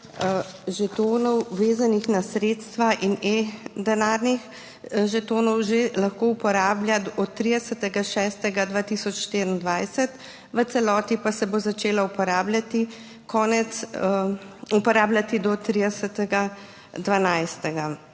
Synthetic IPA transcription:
ʒɛt̪oːnɔwʋeːzanixnasɾeːt̪st̪ʋaʔined̪ɛnaɾnix | ʒɛt̪oːnɔwʒelaxkoupɔɾaːbljad̪ɔtt̪ːɾid̪ɛsət̪ɛɡaʃɛːst̪ɛɡad̪ʋaːt̪isɔt͡ʃʃt̪eːɾind̪ʋajsɛt̪ | ʋət̪sɛlɔːt̪ipasɛbozat͡ʃeːlaupɔɾaːbljat̪i | kʰɔːnɛt̪s | upɔɾaːblʲjat̪id̪ɔt̪ɾid̪ɛsət̪ɛɡa | d̪ʋanajst̪ɛɡa

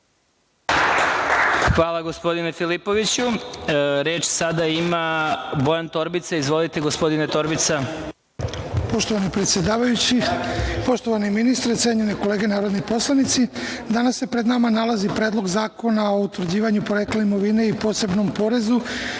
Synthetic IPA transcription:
xʋaːlˠaɡospo̞d̪inefilipo̞ʋit͡ɕu | ɾe̞ːt͡ʃsad̪aimabo̞jant̪o̞ɾbit̪saizʋo̞lit̪eɡospo̞d̪inet̪o̞ɾbit̪sa | poʃt̪oʋanipɾet̪sjed̪aːʋajut͡ɕipo̞ʃt̪o̞ʋaniminist̪ɾet̪se̞ɲeneko̞le̞ːɡe̞naːɾo̞d̪nipo̞slˠanit̪si | d̪anasːepɾe̞d̪namanalazipɾe̞ːd̪lˠo̞ɡzaːko̞nao̞ut̪ʋɾd͡ʑiːʋaɲupo̞ɾekleimo̞ʋine̞ipo̞ːse̞bno̞mpo̞ɾe̞zu

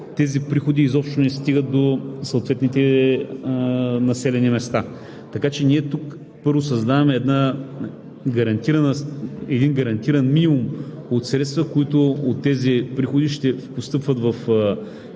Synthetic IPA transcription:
t̪ɛzipɾixod̪iːzɔpʃt̪onɛst̪iɡət̪̚d̪osɐot̪vɛt̪nit̪ɛ | nɐsɛlɛnimɛst̪a | t̪ɐkat͡ʃɛniɛt̪uk | pɤɾvosɐzd̪avɐmɛːd̪na | ɡɐɾɐnt̪iɾɐnəɛd̪inɡɐɾɐnt̪iɾɐnminimum | ot̪sɾɛt̪st̪vəkoit̪ʊot̪ːɛzipɾixod̪iʃt̪ɛpost̪ɤpvət̪vɐf

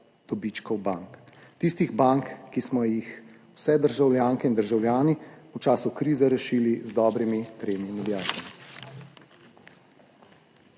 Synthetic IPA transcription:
d̪̥ɔbit͡ʃkɔwbaŋkt̪ist̪iɣbaŋkːismɔjix | w̥sɛd̪əɾʒawljaːŋkɛind̪əɾʒawljaːniut͡ʃaːsukɾiːzɛɾɛʃiːlizd̪ɔːbɾimit̪ɾeːnimɛd̪iaːt̪ami

